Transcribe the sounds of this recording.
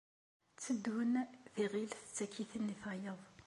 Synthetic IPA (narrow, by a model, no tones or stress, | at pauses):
t͡sːəd̪hʊnθiʁilθt͡sːækːiθənːiθʁajəðˤ